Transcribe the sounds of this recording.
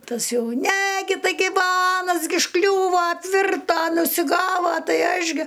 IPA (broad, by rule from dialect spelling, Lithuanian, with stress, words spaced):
ˈtɐs ˈjɛʊ nʲɛ ˈɡʲɪ tɐɪˈɡʲɪ ʋɐ ˈɑːnɐs ɡʲɪ ʊʃˈklʲuːʋɐ ɐpʲˈʋʲɪrtɐ ʊʃʲsʲɪˈɡɑːʋɐ ˈtɐɪ ˈɐʃ ɡʲɪ